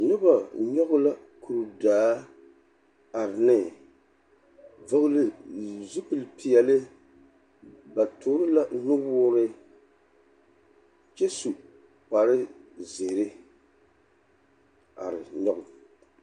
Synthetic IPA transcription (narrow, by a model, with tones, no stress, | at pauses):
nɨ˦ba˨ɲɔ˦ɣʊ˦la˦ | kʰu˨ɾu˨daː˨˦ | a˨ɾɪ˨nɪ˨ | vɨ˦ɣʊ˦lɨ˦zu˦pɨ˨lpi˨jɛ˨lɨ˦ | ba˨toː˦ɾɨ˦la˦nʊ˦ɔː˦ɾɨ˦ | t͡ʃɛ˦su˨ | pa˨ɾɨ˦zeː˨ɾɪ˦ | a̰˨ɾɪ˨ɲɔ˦ɣʊ˨